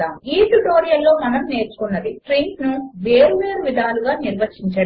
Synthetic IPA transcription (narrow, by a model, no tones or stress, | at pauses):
aːmiːʈuʈo̞ːɾijɐlːo̞ːmɐnɐmne̞ːɾt͡ʃu̥kunːɐd̪iʈɾiŋsnuʋeːɾuʋe̞ːɾuʋid̪ʱaːluɡaːniɾʋɐt͡ʃiɲt͡ʃɐ